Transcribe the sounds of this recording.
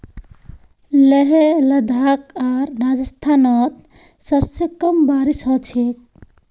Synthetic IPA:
leɦeləd̪ʱakaɾːad͡ʒəst̪ʰanət̪ | səbsekəmbaɾisɦɔt͡ʃʰek̚

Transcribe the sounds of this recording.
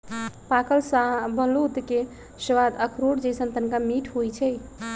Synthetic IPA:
pakəlsabʱəlut̪ke | səʋad̪əkʰɾoɽd͡ʒəjsənt̪ənkamiʈʰɦojt͡ʃʰɛj

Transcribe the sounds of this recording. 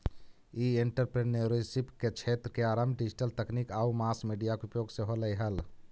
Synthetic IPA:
ieɳʈəɾpɾeneɾisipket͡ʃʰet̪ɾəkeaɾamɖid͡ʒiʈəlt̪əknikaumaskmiɖijakeupjoɡseɦoləjɦəl

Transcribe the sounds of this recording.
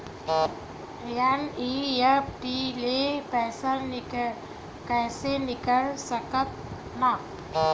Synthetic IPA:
ɾjaniepʈilepɛːsəln | kɛːsenɪkəlsəkət̪̚ | na

